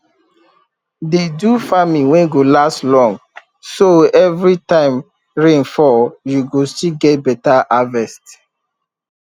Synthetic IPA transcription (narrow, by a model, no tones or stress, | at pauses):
dedufamĩwɛ̃nɡolastlɔ̃ŋɡ | soɛvɹitãɪm | ɹẽnfɔjuɡostiɡɛt̚bɛtaʔavɛst